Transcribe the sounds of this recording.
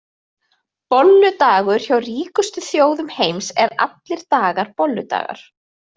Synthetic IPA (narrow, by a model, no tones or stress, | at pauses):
pɔlːʏt̪aːɣʏɾ̥çawriːkʏst̪ʏθjoːwðʏmhejmsɛɾa̰t̪lɪɾ̥t̪aːɣaɾpɔlːʏ̰t̪a̰ːɣa̰ɾ̥